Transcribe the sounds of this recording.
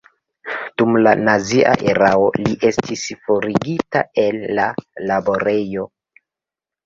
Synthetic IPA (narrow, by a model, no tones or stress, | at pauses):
d̥umlanaziʔa̰ʔe̞ɾao̞liʔe̞stʰisfo̞ɾiɡita̰e̞lːalabo̞ɾe̞jo̞